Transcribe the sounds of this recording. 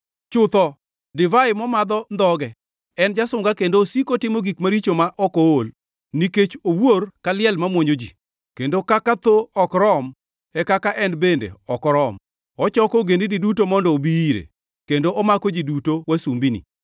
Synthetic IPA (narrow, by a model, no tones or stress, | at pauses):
t͡ʃʊt̪ɔ | dɪvaɪmɔmad̪ɔnd̪ɔɡɛ | ɛnd͡ʒasʊŋɡakendoːsikotɪmoɡikmaɾit͡ʃomaʔɔkool | niket͡ʃoworkalɪɛlmamwoɲod͡ʒḭ | kendokakat̪oɔkɾɔm | ɛkakaʔɛnbendḛɔkɔɾɔm | ɔt͡ʃɔkɔɡenididutomɔndɔːbiiɾḛ | kendoʔɔmakod͡ʒidutowasumbinḭ